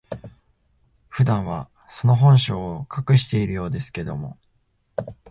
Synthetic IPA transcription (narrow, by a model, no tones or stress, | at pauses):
ɸɯ̟d̪ãɰ̃βa | so̞no̞ɦõ̞ɰ̃ɕo̞ːkʰakɯ̟ɕi̥t̪e̞iɾɯ̟jo̞ːd̪e̞sɨ̥ke̞d̪o̞mo̞̰